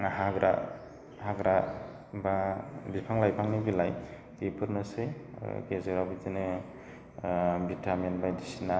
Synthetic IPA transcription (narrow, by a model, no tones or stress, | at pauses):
haɡɾʔa̰ | haɡɾa | babipʰaŋlajpʰaŋnibilaj | ipʰɯɾnɯsɯɡezeɾabitinɯ | bitʰamenbajdisina